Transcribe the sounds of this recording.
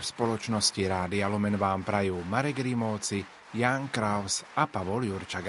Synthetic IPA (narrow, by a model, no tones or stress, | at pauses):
fspɔlɔt͡ʃnɔsciɾaːd̪ialɔmɛnʋaːmpɾajuːmaɾɛɡɾimɔːt͡si | jaːŋkɾaʊsapaʋɔljuɾt͡ʃaɡ